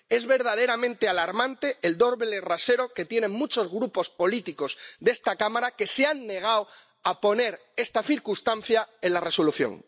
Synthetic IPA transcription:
e̞zβe̞ɾðað̞e̞ɾamẽnt̪ealaɾmãnt̪e̞ːld̪o̞ɾβelerase̞ɾo̞ke̞t̪je̞nẽ̞ŋmut͡ʃo̞zɣɾupo̞spo̞lit̪iko̞zðe̞st̪akamaɾake̞seanːe̞ɣ̞aw | apo̞ne̞ɾ | e̞st̪aθiɾkust̪an̟θjae̞nlare̞so̞luθjo̞̰ŋ

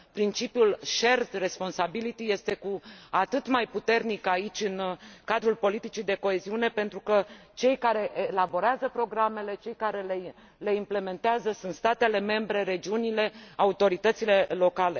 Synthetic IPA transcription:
pɾint͡ʃipjulʃe̞rd̪re̞spo̞nsabilit̪ije̞st̪e̞kuat̪ɨt̪majput̪e̞rnikait͡ʃʲɨnkad̪ɾulpo̞lit̪it͡ʃid̪e̞ko̞e̞ziune̞pe̞nt̪ɾukət͡ʃe̞jkaɾe̞ʔːlabo̞ɾeazəpɾo̞ɡɾame̞le̞t͡ʃe̞jkaɾe̞le | le̞imple̞me̞nt̪eazəsunt̪st̪at̪e̞le̞me̞mbɾe̞ɾe̞d͡ʒiunile̞aut̪o̞ɾit̪ət̪sile̞lo̞kale̞

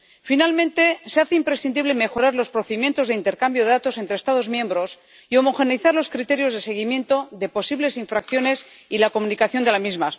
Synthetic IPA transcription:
finalmẽ̞nt̪e̞seaθeimpɾe̞sθind̪iβle̞me̞xo̞ɾaɾlo̞spɾo̞θe̞ðimje̞nt̪o̞zðeint̪e̞ɾkambjo̞ðe̞ðat̪o̞se̞nt̪ɾest̪að̞o̞zmje̞mbɾo̞s | io̞mo̞xe̞niθaɾlo̞skɾit̪e̞ɾjo̞zðe̞se̞ɣ̞imjẽ̞nt̪o̞ðe̞po̞siβle̞siɱfɾakθjo̞ne̞s | ilako̞munikaθjo̞nd̪e̞lamizma

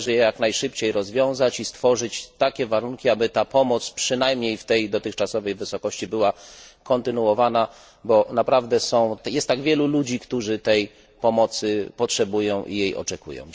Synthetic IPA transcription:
ʐɛjɛjaknajʂɘpt͡ɕejɾɔzvʲjɔ̃w̃zat͡ɕist̪fɔʐɘt͡ɕt̪akʲɛvaɾuŋkʲiabɘt̪apɔmɔt̪spʂɘnajmɲejft̪ɛjd̪ɔt̪ɘxt͡ʂasɔvɛjvɘsɔkɔɕt͡ɕibɘwakɔnt̪ɘnuwɔvana | bɔnapɾavd̪ɛsɔ̃w̃jɛst̪ːaɡvʲjɛlulud͡ʑikt̪uʐɘt̪ɛj | pɔmɔt̪sɘpɔtʂɛbujɔ̃w̃ʔḭjejɔ̰t͡ʂɛkṵjɔ̰̃w̃

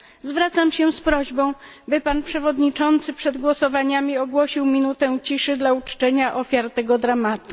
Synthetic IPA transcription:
zvɾat̪samɕɛspɾɔʑbɔ̃w̃ | bɘpanpʂɛvɔd̪ɲit͡ʂɔnt̪sɘpʂɛd̪ɡwɔsɔvaɲamʲiɔɡwɔɕiwmʲinut̪ɛ̃t͡ɕiʂɘd̪laut͡ʂt͡ʂɛɲaʔɔfʲjaɾt̪ɛɡɔd̪ɾamat̪u

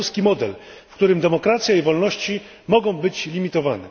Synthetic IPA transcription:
skʲimɔd̪ɛ̰lfkt̪uɾɘmd̪ɛmɔkɾat̪sʲjaivɔlnɔɕt͡ɕi | mɔɡɔ̃w̃bɘt͡ɕlʲimʲit̪ɔvanɛ̰

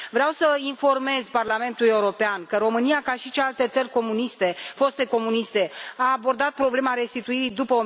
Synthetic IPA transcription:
vɾeawsəinfo̞rme̞zparlame̞nt̪ule̞uɾo̞peankəɾo̞mɨniakaʃit͡ʃelalt̪e̞t̪sərʲko̞munist̪e̞fo̞st̪e̞ko̞munist̪e̞aːbo̞rd̪at̪̚pɾo̞ble̞maɾe̞st̪it̪uiɾid̪upəo

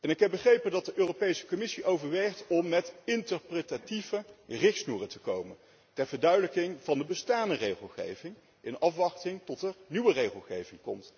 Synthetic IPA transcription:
ɛnɪkɦɛp̚bəχrejpəndɑtdəʔøːrowpejsə̥kɔmɪsiʔowvəɹʋɛjχtɔmːɛtɪntəɹprətativərɪχtsnuːrətəkowmən | tɛɹv̥əɹdœɥdələkɪŋv̥ɑndəbəstaːndərejχəlˠχḛjvɪŋ | ʔɪnɑfʋɑχtɪŋtɔtɛɹnyʋərejχəlˠχejvɪŋkɔ̰mt

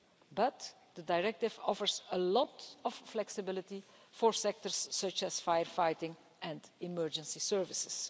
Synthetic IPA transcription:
bʌt | d̪̥ədajɹɛk̚tɪvɔfəɹzəlɔtɔfːlɛksɪbɪlɪtifɔɹsɛk̚təɹsːʌt͡ʃɛsfajəɹfajtɪ̃ŋ | ʔɛ̃ndɪmɜɹd͡ʒə̃nsisɜɹvɪsɪ̥s

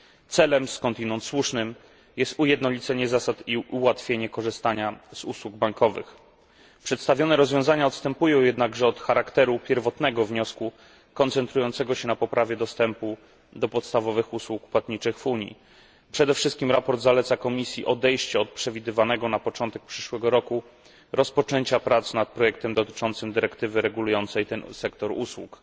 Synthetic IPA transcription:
t̪sɛlɛmskɔnt̪inɔnt̪swuʂnɘm | jɛst̪ujɛd̪nɔlʲit̪sɛɲɛzasat̪iʔuwat̪fʲjeɲɛkɔʐɘst̪aɲaz̥uswuɡ̚baŋkɔvɘ̰x | pʂɛt̪st̪avʲjɔnɛɾɔzvʲjɔ̃w̃zaɲaɔt̪st̪ɛmpujɔ̃w̃jɛd̪naɡʐɛɔt̪xaɾakt̪ɛɾupʲjɛɾvɔt̪nɛɡɔvɲɔsku | kɔnt̪sɛnt̪ɾujɔnt̪sɛɡɔɕɛnapɔpɾavʲjɛd̪ɔst̪ɛmpu | d̪ɔpɔt̪st̪avɔvɘxuswukpwat̪ɲit͡ʂɘxvuɲjḭ | pʂɛd̪ɛfʂɘst̪̚kʲimɾapɔɾd̪zalɛt̪sakɔmʲisʲjiʔɔd̪ɛjɕt͡ɕɛɔt̪̚pʂɛvʲid̪ɘvanɛɡɔnapɔt͡ʂɔnt̪ɛk̚pʂɘʂwɛɡɔɾɔku | ɾɔspɔt͡ʂɛɲt͡ɕapɾat̪snat̪̚pɾɔjɛk̚t̪ɛmd̪ɔt̪ɘ̥t͡ʂɔnt̪sɘmd̪ɘɾɛkt̪ɘvɘɾɛɡulujɔnt̪sɛjt̪ɛnsɛkt̪ɔɾuswṵk

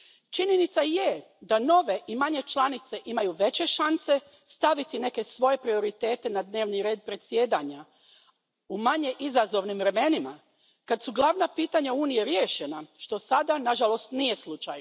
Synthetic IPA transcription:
t͡ʃiɲenit̪saje̞ | d̪ano̞ʋe̞ʔimaɲe̞t͡ʃlˠanit̪se̞ʔimajuʋe̞t͡ɕe̞ʃanse̞ | st̪aʋit̪ine̞ke̞sʋo̞je̞pɾio̞ɾit̪e̞ːt̪e̞nad̪ne̞ːʋniɾe̞ːd̪̚pɾe̞t̪sjeːd̪aɲa | umaɲe̞ʔizazo̞ʋnimʋɾe̞me̞nima | kad̪suɡlˠaʋnapiːt̪aɲauːnije̞ɾjeːʃenaʃt̪o̞sad̪anaʒalo̞st̪nije̞slˠut͡ʃaj

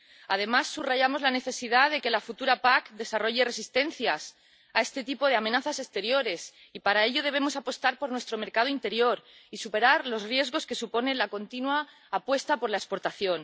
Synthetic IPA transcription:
að̞e̞masːuraʝamo̞zlane̞θe̞siðaðe̞ke̞lafut̪uɾapakd̪e̞saro̞ʝe̞re̞sist̪e̞n̟θjas | ae̞st̪e̞t̪ipo̞ð̞e̞amenaθase̞st̪e̞ɾjo̞ɾe̞s | ipaɾae̞ʎo̞ð̞e̞β̞e̞mo̞sapo̞st̪aɾpo̞ɾnwe̞st̪ɾo̞me̞ɾkað̞oint̪e̞ɾjo̞ɾisupe̞ɾaɾlo̞zrje̞zɣo̞ske̞supo̞ne̞nlako̞nt̪inwaː | pwe̞st̪apo̞ɾlaespo̞ɾt̪aθjo̞n

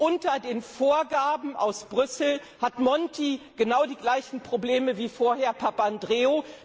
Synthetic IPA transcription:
ʔʊntɐdeːnfoːɐɡaːbm̩ʔa̰ʊsb̥ʁʏsl̩ | hatmɔntiɡ̥ənaʊdiːɡlaɪçn̩pʁ̥obleːməviːfoːɐɦeːɐpʰapandʁeːo

